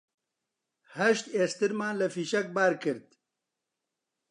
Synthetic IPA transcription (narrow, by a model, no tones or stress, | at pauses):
hɐʃt̪eːst̪ɨɾmaːnlɨfiːʃɐk̚baːɾkʰɨɾt̪